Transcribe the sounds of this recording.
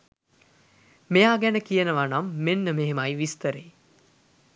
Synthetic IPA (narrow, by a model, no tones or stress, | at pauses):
mejaːɡænəkijənəʋanamːenːəmeɦemajʋist̪əɾe